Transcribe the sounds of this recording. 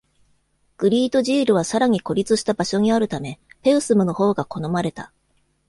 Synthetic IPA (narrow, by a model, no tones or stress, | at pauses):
ɡ̥ɯ̟ɾʲiːt̪o̞ʑiːɾɯ̟β̞asaɾaɲ̟iko̞ɾʲit͡sɨɕi̥t̪abaɕo̞ɲ̟iaɾɯ̟t̪ame̞pe̞ɯ̟sɨmɯ̟no̞ho̞ːɡako̞no̞maɾe̞t̪a